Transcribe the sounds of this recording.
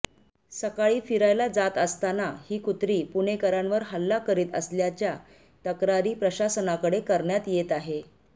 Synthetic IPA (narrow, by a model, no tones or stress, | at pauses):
səkaɭiːfiɾajlad͡zat̪əst̪anahiːkut̪ɾiːpuɳekəɾəɳʋəɾɦəlːakəɾiːt̪ə̰sljat͡ɕja | t̪əkɾaɾiːpɾəɕasənakəɽekəɾɳjat̪jet̪aɦe